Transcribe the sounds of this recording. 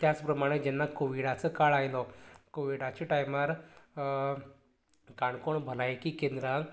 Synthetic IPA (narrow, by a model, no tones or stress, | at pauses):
t̪jat͡spɾəmaɽ̃ed͡ʑɛnːakoʋiɽat͡səkaɭajlɔkoʋiɽat͡ɕeʈajmaɾ | kaɳkoɳbʱəlajkikẽnd̪ɾãŋ